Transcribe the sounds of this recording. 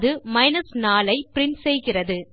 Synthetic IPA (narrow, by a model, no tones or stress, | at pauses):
ðɯmɐɪnɐsnaːlɐɪpɪɾɪɳsɛjɣɪrɐðɯ